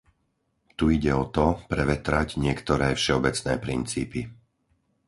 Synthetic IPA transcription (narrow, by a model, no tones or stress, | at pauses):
t̪uiɟɛɔt̪ɔpɾɛʋɛt̪ɾaɟɲɪɛkt̪ɔɾɛːfʃɛɔbɛt͡snɛ̰ːpɾint͡sḭːpi